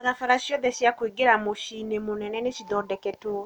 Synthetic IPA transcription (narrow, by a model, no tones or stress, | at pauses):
aɾafaɾaʃjɔðɛʃjakwiɡeɾamoʃinemonɛnɛneʃiðɔdɛkɛto